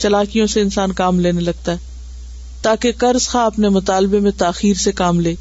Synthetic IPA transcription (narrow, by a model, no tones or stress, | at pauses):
t͡ʃɐlaːkijõseɪnsaːnkaːmleːnelɐɡ̚t̪aɦɛː | t̪aːkekɐɾz̥xãɐpnemʊt̪aːlbemẽt̪aːxiːɾsekaːmleː